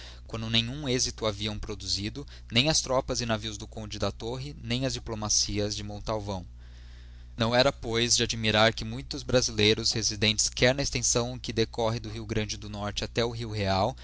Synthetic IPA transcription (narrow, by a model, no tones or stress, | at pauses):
kwɐ̃nd̪ʊnẽjɲũezit̪ʊaviɐ̃w̃pɾod̪uzid̪ʊ | nẽj̃ɐst̪ɾɔpɐzɪnaviwzd̪ʊkõd͡ʒɪd̪at̪oɦɪnẽj̃ɐzd͡ʒiplomasiɐzd͡ʒɪmõt̪awvɐ̃w̃ | nɐ̃w̃ɛɾɐpojzd͡ʒɪad͡ʒimiɾaɾkɪmũj̃t̪ʊzbɾazilejɾʊshezid̪ẽnt͡ʃɪ̥skɛɾnɐest̪ẽsɐ̃w̃ʊkɪd̪ekɔɦɪ̃d̪ʊɦiwɡɾɐ̃nd͡ʒɪd̪ʊnɔɾt͡ʃɪat̪ɛʊɦiwɦeaw